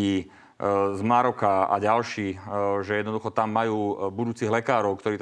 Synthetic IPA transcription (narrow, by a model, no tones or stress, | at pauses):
iː | zmaɾɔkaa̰ɟalʃiːʒɛjɛd̪nɔd̪uxɔt̪amːajuːbud̪uːt͡siɦlɛkaːɾɔʊkt̪ɔɾiːt̪